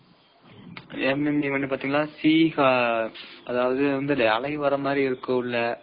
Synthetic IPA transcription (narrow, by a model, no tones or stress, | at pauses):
ɛmɛmiʋɐɳːɖːipaːɾt̪iːŋɡɐɭlːaːsiːɣaː | ɐðaːʋɐðɯʋɐnd̪ɯɪlːɐɐɭɐɪʋɐɾɐmaːd̪ɾiɪɾɯkːɯ̃ɪlːɐ